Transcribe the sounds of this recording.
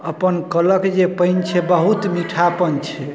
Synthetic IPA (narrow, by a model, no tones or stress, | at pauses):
əpənkələkd͡ʒepəɪnt͡ʃʰɛbəɦut̪miʈʰapənt͡ʃʰɛ